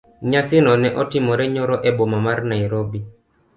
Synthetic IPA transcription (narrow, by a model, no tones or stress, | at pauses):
ɲasɪnɔnɛʔɔtɪmɔɾɛɲɔɾɔʔɛbomamaɾnaiɾobi